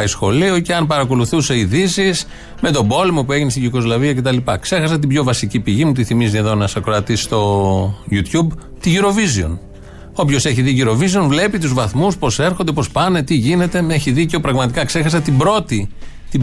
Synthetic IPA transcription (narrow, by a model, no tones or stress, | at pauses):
sxo̞lioceɐnpɐɾɐko̞luθuse̞iðisis | me̞t̪o̞bo̞lemo̞pue̞ʝinest̪iʝiko̞zlɐviɐce̞t̪ɐlipɐkse̞xɐsɐt̪ibçjo̞vɐsicipiʝimut̪iθimizieðonɐsɐkɾoɐt̪isi̥st̪o̞jut̪çub | t̪iʝiɾo̞vizio̞̰n | o̞pço̞se̞çiðiʝiɾo̞visionvle̞pit̪uzvɐθmuspo̞se̞ɾxo̞nd̪epo̞spɐne̞t̪iʝine̞t̪e̞meçiðiceopɾɐɣmɐt̪ikɐkse̞xɐs̬ɐt̪ibɾo̞t̪i | t̪i